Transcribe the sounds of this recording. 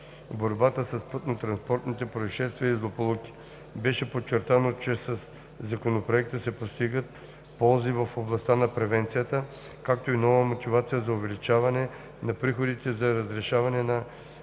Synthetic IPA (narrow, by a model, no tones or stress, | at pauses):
boɾbat̪əsɐspɤt̪not̪ɾɐnspɔɾt̪nit̪ɛpɾɐviʃɛst̪viəizlˠopolˠukʲi̥ | bɛʃɛpot͡ʃːɛɾt̪anot͡ʃɛsɐsː | ɐkonopɾoɛk̚t̪əsɛpost̪iɡət̪̚ | pɔlˠzivɐfoblˠɐst̪anɐpɾɛvɛnt̪sijət̪ə | kak̚t̪oinɔvəmot̪ivat̪sijəzɐʊvɛlit͡ʃavɐnɛ | nɐpɾixod̪it̪ɛzɐɾɐzɾɛʃavɐnɛnɐ